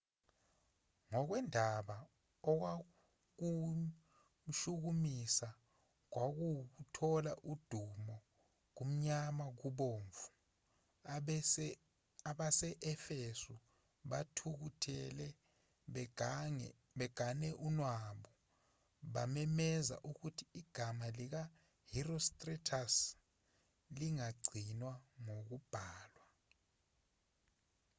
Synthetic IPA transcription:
ŋɔk̬wɛndʱaɓa | ɔk̬wa | k̬u | m̩ʃuk̬umisa | k̬wak̬uk̬utʰɔlaʔud̥ʱumɔ | k̬um̩ɲamak̬uɓoːɱvu̥ | aɓasɛʔɛfesu | ɓatʰuk̬utʰɛlɛ | ɓɛɡ̥ʱanɛʔunwaɓɔ | ɓamɛmɛza̰ʔuk̬utʰiiɡ̥ʱamalik̬a | hirostʼritʰas | liŋaɡ͡ǀʱinwaŋok̬ub̥ʱaːlwa

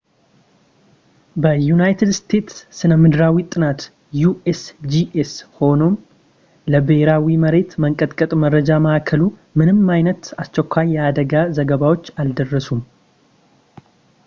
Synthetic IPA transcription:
bəjunajt̪ʰɨd̪st̪ʰe̞t̪ssɨnəmːɨd̪ɾawit̪ʼɨnat̪ | juʔesd͡ʒiʔesho̞no̞m | ləbeheɾawiməɾe̞t̪məŋkʼət̪ʼkʼət̪ʼməɾəd͡ʒaməʔakʰəlumɨnɨmːajnət̪ast͡ʃːɛkʰʷːajjɛad̪əɡazəɡəβawo̞t͡ʃːald̪ərːəsum

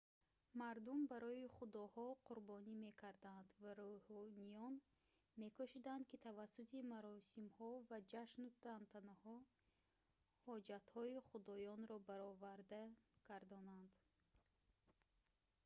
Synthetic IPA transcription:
maɾd̪umbaɾɔiχud̪ɔhɔqʰuɾbɔnime̞kʰaɾd̪and̪vaɾɔhɔnijɔn | me̞kʰɔʃid̪and̪kit̪ʰavasːut̪ʰimaɾɔsimhɔvad͡ʒaʃnut̪ant̪ʰanahɔ | hɔd͡ʒat̪hɔiχud̪ɔjɔnɾɔbaɾɔvaɾd̪aɡ̥aɾd̪ɔnand̪

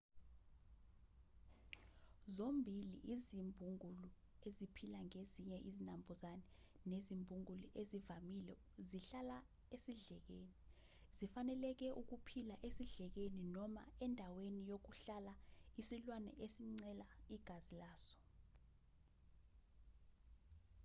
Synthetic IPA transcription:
zombʱilḭʔizimbʱuŋʱulu | ezipʰilaŋeziɲɛʔizinambʱɔzanɛ | nezimbʱuŋuliʔezivamilɛ | ziɬala | esiɮɛk̬eni | zifanɛlɛk̬ɛʔuk̬upʰilaʔesiɮɛk̬eninɔma̰ɛndʱawenijok̬uɬalaisilwanɛ̰ʔesiŋ͡ǀɛlaiɡ̥ʱazilaːsɔ̥

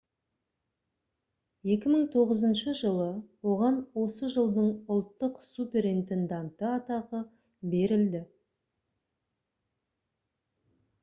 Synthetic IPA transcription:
je̞kʲɪməɴt̪ʰo̞ʁəzənʃəʒəlˠəwo̞ʁɑnwo̞səʒəlˠd̪əɴʊlˠt̪ːəqsupʲe̞ɾint̪e̞nd̪ɑnt̪əɑt̪ɑʁə | be̞ɾɪld̪ɪ

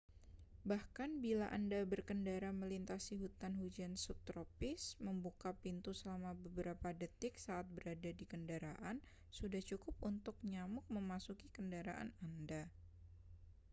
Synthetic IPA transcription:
bahkanbilaʔandabərkəndaɾaməlint̪asiɦut̪anhud͡ʒansʊk̚t̪ɾopɪsməmbukapint̪usəlamabəbəɾapadət̪ɪk̚saat̪̚bəɾadadikəndaɾaʔan | sudaht͡ʃukʊp̚unt̪ʊk̚ɲamʊk̚məmasukikəndaɾa̰ʔa̰nanda

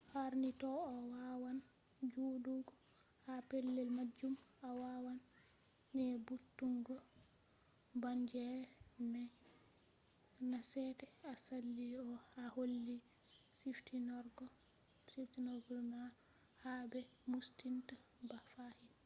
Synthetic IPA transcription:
haɾnitɔɔwawan | d͡ʒuːduɡɔ | hapɛlːɛlmad͡ʒːumawawanː | ɛbutːuŋɡɔ | baɲd͡ʒɛmɛ | nasɛtɛasalːiɔaholːi | siftinɔɾɡɔ | siftinɔɾɡɔlma | habɛ | mustinta | bafahin

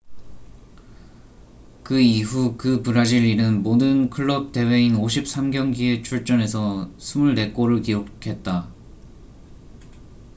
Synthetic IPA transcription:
kɯiɦukɯpɯɾad͡ʑiʎːinɯnmodɯnkʰɯɭːʌp̚t͈e̞we̞inoɕʰip̚s͈ʰamɡjʌŋɡie̞t͡ɕʰuɭt͡ɕ͈ʌne̞sʰʌsʰumuɭne̞k͈oɾɯɭkiokʰe̞t̚t͈a

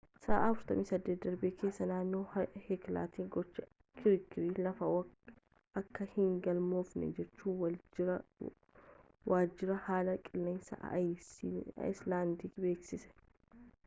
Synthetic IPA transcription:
sɐ̰ːʔːfʊɾt̪ɐmiːsɐd̪ːeːd̪ɐɾbekʰe̞ːsːɐnaːnːo̞ːhekla̰ːt̪iːɡɔt͡ʃːɐ | kʰɪɾɪkːɪɾiːlɐfɐ | ɐkːɐhɪŋɡɐlmoːfnɛ̰d͡ʒɛt͡ʃːuːn | waːd͡ʒːɪɾɐhaːlɐkʼɪlːeːnsɐ̰ʔj̰ | ɪslaːnd̪ikbe̞ːksɪsɛ̥

